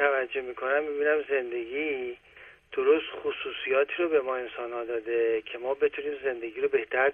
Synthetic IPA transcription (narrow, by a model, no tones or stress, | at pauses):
ævæd͡ʒːohmiːkʰo̞næmːibiːnæmze̞nd̪e̞ɡiː | d̪̥oɾost̪xosuːsijɒːt̪ʰiːɾobe̞mɒːe̞nsɒːnhɒːd̪ɒːd̪ecʰe̞mɒːbe̞t̪ʰuniːmze̞nd̪e̞ɡiːɾobe̞ht̪ʰæɾ